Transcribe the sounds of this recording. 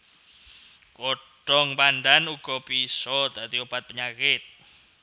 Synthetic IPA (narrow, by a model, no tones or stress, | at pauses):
koɖ̥ɔŋpand̪anuɡ̥ɔ̤pisɔd̪at̪iob̥at̪̚pəɲakɪt̪̚